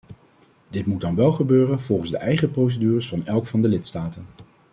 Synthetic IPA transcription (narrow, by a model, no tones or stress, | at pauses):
dɪtmudɑnʋɛlˠχəbøːrənvɔlˠχən̩zdəʔɛjχəprows̬ədyːrəsfɑnɛlˠkfɑndəlɪtstaːtən